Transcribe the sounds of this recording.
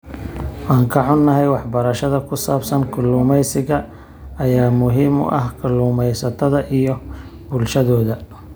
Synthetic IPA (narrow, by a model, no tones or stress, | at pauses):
wɑːŋkʰɐʕʊnːɐɦɛjwɑħbɐɾɐʃɐðɐkʰʊsaːbsɐnkʰʊlːʊːmɛjsɪɣɐː | jaːmʊɦiːmʊ̰ʔɐhkʰʊluːmɛjsɐt̪ʰɐðɐʔijɔ | bʊlʃɐðɔːðɐ